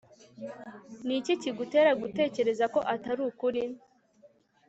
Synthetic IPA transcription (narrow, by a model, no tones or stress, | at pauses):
niciciɡute̞ːɾaɡute̞ːce̞ɾe̞zako̞ʔataɾuːkuɾin